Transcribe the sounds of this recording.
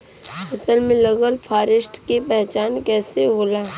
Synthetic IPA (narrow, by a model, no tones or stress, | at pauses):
ɐsəlmẽləɡəlpʰaːɾɪsʈkepɛɦt͡ʃaːnkɛːseboːlaː